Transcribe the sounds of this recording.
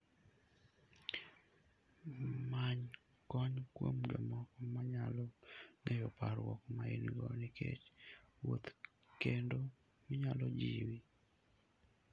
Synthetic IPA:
maɲ | kɔɲkwomd͡ʒɔmɔkɔmaɲalɔŋɛjɔpaɾwɔkmaḭnɡɔnɪkḛt͡ʃwot̪ | kendo | mɪɲalɔd͡ʒiwi

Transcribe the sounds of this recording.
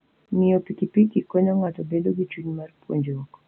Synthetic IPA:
mɪɔpikipikikɔɲɔŋatɔbedoɡit͡ʃuɲmarpwo̰ɲd͡ʒok

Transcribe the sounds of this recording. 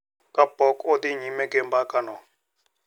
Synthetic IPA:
kabɔkʼod̪iɲimɛkembakanɔ

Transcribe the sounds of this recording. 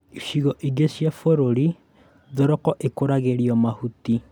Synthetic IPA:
iʃiɣɔʔiɡesjafoɾoɾi | ðoɾɔkɔʔekoɾaɣeɾiɔmahuti

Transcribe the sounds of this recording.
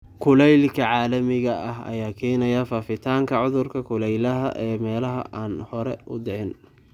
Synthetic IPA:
kʰʊlɛjlkʰɐʕaːlɐmɪɣɐʔɐɦɐ̰jaːkʰɛːnɐjɐfaːfɪt̪ʰaːŋkʰɐʕʊðʊrkʰɐkʰʊlɛjlɐɦɐʔɛːmɛːlɐɦɐ̰ʔaːnhɔɾɛ̰ʔʊd̪ɛʕɪn

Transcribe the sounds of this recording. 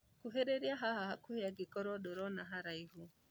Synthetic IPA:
kuɦeɾeɾjaɦahahakuhejaɡikoɾodoɾonaɦaɾaihu

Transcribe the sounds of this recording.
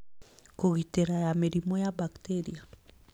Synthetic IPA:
koɣiteɾajameɾimɔjabakteɾia

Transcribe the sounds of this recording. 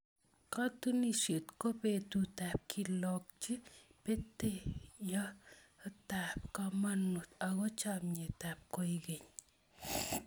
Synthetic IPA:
kat̪uniʃet̪kopet̪ut̪ap̚kʰilɔk̚t͡ʃipet̪ejaət̪ap̚kamanut̪aɣɔt͡ʃapɲetap̚kojɡeɲ

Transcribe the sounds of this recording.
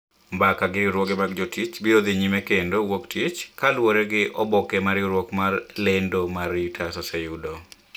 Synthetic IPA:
mbakaɡɪɪɾwoɡɛmaɡ̚d͡ʒotit͡ʃbiod̪ɪɲimɛkendowoktʰit͡ʃkalwoɾɛɡɪʔɔbɔkɛmaɾjɪɾwokmarlendomarɪtʰasɔsɛjudo

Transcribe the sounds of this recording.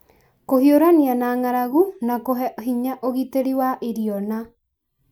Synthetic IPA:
kohioɾanianaːŋaɾaɣunakoɦɛɦiɲaʔoɣiteɾiwaʔeɾiɔna

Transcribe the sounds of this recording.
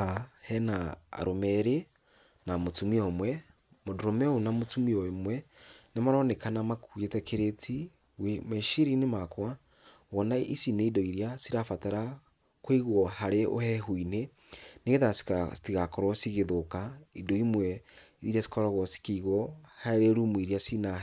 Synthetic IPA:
ahɛna̰ːɾomɛɾe | namotumiɔmwɛ | modoɾomɛonamotumiɔemwɛnemaɾɔnekanamakuetɛkʰeɾetʰi | wemeʃiɾinemakwa | wɔnaisineidɔiɾiasiɾafataɾa | kwiɣwɔhaɾeʔo̰hɛɦuine | neɣeðasi̥tiɣakɔɾwɔsiɣeðokaidɔimwɛiɾiasi̥kɔɾɔɣɔsi̥kiiɣɔhaɾeɾumwiɾiasina

